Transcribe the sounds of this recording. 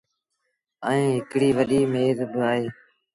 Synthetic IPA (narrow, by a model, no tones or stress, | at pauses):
əẽːɦɪkɽiːʋəɗiːmeːzbɪaːɦeː